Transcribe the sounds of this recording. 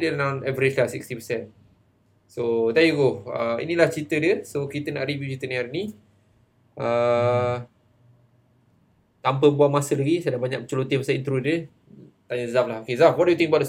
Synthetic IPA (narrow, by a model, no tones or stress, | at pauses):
dənãnɛvɾit͡ʃklasikst̪ipəsɛn | sot̪ajuɡoəḭnĩlaht͡ʃit̪ədiəsokit̪əna̰ʔɾivjut͡ʃit̪ənĩaɾini | ʔə | t̪amp̬əbuamasəlaɡisajdabaɲak̚t͡ʃəlot̪imasaint̪ɾudə | t̪aɲəzaflaɦokezafwɔdujut̪iŋkəbawd